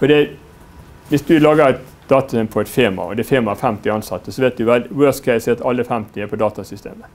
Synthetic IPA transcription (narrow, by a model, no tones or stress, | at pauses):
fɔɖ̪ɛ | ʋɪsd̪ʉlɑːɡəɾɛt̪ | d̪̥ɑːt̪ɑ̥sɛmpʰɔɛt̪feːmɑ̰ɔ̰d̪ɛfeːmɑfæmt̪ɪɑnsɑt̪ːəsɔʋeɪt̪̚d̪ʉʋæld̪ɪwøːskʰɛɪsɛːt̪ɑlːəfæmt̪ɪɛːpʰɔd̪ɑːt̪ɑsʏst̪ḛːmə